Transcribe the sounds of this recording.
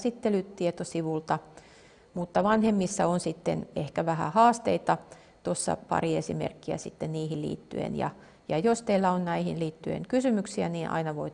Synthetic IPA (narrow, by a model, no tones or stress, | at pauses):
sit̪ːelytt̪iet̪osiʋult̪ɑ | mut̪ːɑʋɑnhemːisːɑonsit̪ːḛnehkæʋæhæ̰hɑːst̪eit̪ɑ | t̪osːɑ̰pɑ̰riesimḛrkːiæ̰sit̪ːenniːhillḭːt̪ːy̰ḛnjɑ̰ | jɑjost̪eilːæonnæihinliːt̪ːyḛŋkysymyksiæniːnʔɑ̰inɑʋoi